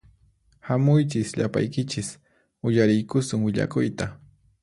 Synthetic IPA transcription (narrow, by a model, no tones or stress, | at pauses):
hamʊjt͡ʃɪsʎapa̰jkɪt͡ʃɪs | ʊjaɾɪjkʊsʊŋwɪʎa̰kʊjt̪a